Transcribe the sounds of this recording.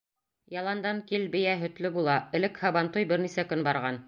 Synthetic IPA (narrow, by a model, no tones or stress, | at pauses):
jɑlˠɑnd̪ɑŋkilbɘ̆jæɦɵ̆t̪lɵbulˠɑɘ̆lɘkhɑβɑnt̪ujbɘɾnisækɵnbɑɾʁɑn